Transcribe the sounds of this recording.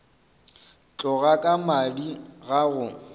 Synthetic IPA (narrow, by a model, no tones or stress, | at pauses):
t͡ɬʼɔɣakʼamadiɣaɣʊ